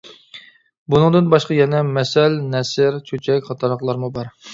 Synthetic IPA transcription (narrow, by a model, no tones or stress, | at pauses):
bunɨŋd̪ɨnbɑʃqɑjɛnɛmɛsɛlnɛsɪɾt͡ʃʰøt͡ʃʰɛkʲχɑt̪ʰɑɾləχlˠɑɾmubɑɾ